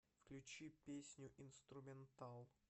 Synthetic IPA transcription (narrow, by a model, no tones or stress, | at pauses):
fklʲʉt͡ɕipʲesʲnʲʊʔɪnst̪ɾʊmʲɪnt̪alˠ